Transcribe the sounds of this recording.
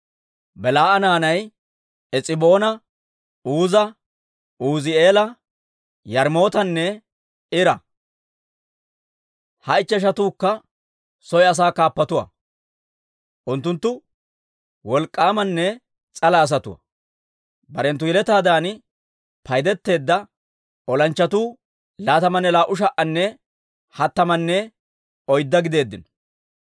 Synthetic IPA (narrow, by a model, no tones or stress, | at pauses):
bɛlaːʔɐnaːnɐj | ɛt͡sʼɪbo̞ːnɐ | uːzɐ | uːzɪe̞ːlɐ | jɐɾmo̞ːt̪ɐnːɛ | ɪɾɐ | hɐɪt͡ʃːɛʃ̬ɐt̪uːkːɐ | sɔjɐs̬aːkaːpːɐt̪ʊwɐ̰ | ʔʊnt̪ːʊnt̪ːʊ | wɔlkʼːaːmɐnːɛ | t͡sʼɐlɐːs̬ɐt̪ʊwɐ̰ | bɐɾɛnt̪̬ːʊjɛlɛt̪aːd̪aːn | pʰɐjd̪ɛt̪ːe̞ːd̪ːɐ | ɔlɐnt͡ʃːɐt̪uː | laːt̪ɐmɐnːɛlaːʔʊʃ̬ɐʔɐnːɛ | hɐt̪ːɐmɐnːɛ | ɔjd̪ːɐɡɪd̪e̞ːd̪ːɪnɔ̥